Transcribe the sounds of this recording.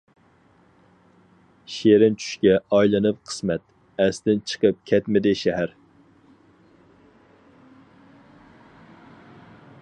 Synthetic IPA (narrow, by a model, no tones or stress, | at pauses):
ʃeɾɪnt͡ʃʰy̥ʃkʲɛɑjlˠɨnɨp̚qʰə̥smɛt̪̚ | ɛst̪ɪnt͡ʃʰə̥qʰəp̚kʲʰɛt̪mɪd̪ɪʃæɦæɾ